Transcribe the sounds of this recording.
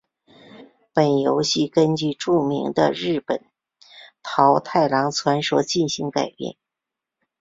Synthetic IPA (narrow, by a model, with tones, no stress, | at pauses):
pə˨˩njo˧˥ʊɕi˥˩kə˥nt͡ɕy˥˧ʈ͡ʂu˥˩mḭ˧˥ŋd̪ə̰˧ɻɻ̩˥˩pə˨˩˦n | t̪ʰɑ˧˥ʊt̪ʰa˥˩ɪlɑ˧˥ŋt͡sʰwa˧˥nʂwɔ˧˥t͡ɕi˥˩nɕi˧˥ŋka˨˩ɪpjɛ̰˥˩n